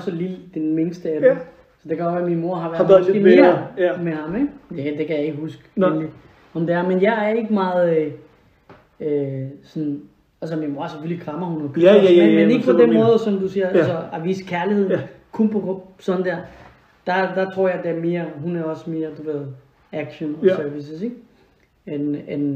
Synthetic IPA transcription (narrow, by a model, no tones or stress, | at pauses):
sɒlild̥enmeŋsd̥əæd̥ | sɒ̽d̥ekʰæɔʋæɐminmo̝ɐ̰ɦɑ̈ʋæɐeɐmehɑ̈meɡ̥d̥ed̥e̝kʰæjɑ̈e̝ɡ̥əɦusɡ̥enli | ɒmd̥eæɐmenjɑ̈ɪæɐe̝ɡ̥əmɑ̈ːð̩ˠø | øsɔ̽n | ælsɒminmo̝ɐ̰seføllikʰʁɑ̈mɐhunɒkʰømemene̝ɡ̥pʰɒd̥enmɔ̽ːð̞̩ˠsɒ̽md̥usiːɐælsɒæʋḭːskʰæɐlihe̝ð̞̰ˠkʰunpʰɔsɒ̽nəd̥æɐ̰ | d̥ɑ̈d̥ɑ̈t͡sʰʁo̝ɐ̰jɑɪd̥eæɐme̝ːɐɦunæɐɒ̽sme̝ːɐd̥uʋe̝ð̞̰ˠ | æɡ̥ɕənsøɐʋis̬əse̝ɡ̥ | enen